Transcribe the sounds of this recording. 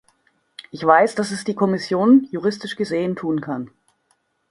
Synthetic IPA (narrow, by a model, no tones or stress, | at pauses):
ʔɪçv̥aɪsd̥asɛsd̥iːkʰɔmɪsjoːnjuʁɪstɪʃɡ̥əzeːəntʰuːnkʰan